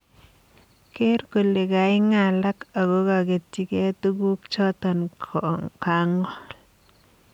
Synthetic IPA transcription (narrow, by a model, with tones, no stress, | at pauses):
ke˦ɾko˨le˨ka˨ɪ˦ŋa˨la˦ka˨ɡo˦ka˨ɡe˨tːi˨ke˦t̪u˦ɡu˦kt͡ʃɔ˦t̪ɔ˨n | ka˨ŋɔ˦